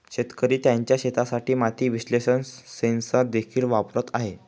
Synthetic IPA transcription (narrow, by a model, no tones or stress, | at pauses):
ɕet̪kəɾiːt̪jaɲt͡ɕjaɕet̪asaʈiːmat̪ʰiːʋiɕleɕənsensad̪ekʰiːlʋapɾət̪aɦe